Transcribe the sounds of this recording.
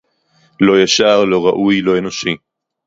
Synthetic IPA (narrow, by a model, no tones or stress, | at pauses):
lo̞jaʃaʁlo̞ʁaʔujlo̞eno̞ʃi